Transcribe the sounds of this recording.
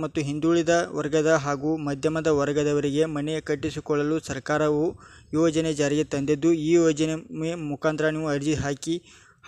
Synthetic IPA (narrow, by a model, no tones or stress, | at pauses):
mɐt̪ːuɦind̪uːɭid̪ɐʋɐɾɡɐd̪ɐɦaːɡuːmɐd̪ʱjɐmɐd̪ɐʋɐɾɐɡɐd̪ɐʋɐɾiɡe̞mɐnekɐʈːisikɔɭːɐlusɐɾkaːɾɐʋu | jɔːd͡ʒɐned͡ʒaːɾiɡet̪ɐnd̪id̪ːuiːjɔːd͡ʒɐnememukaːnt̪ɾɐniːʋuɐɾd͡ʒiɦaːki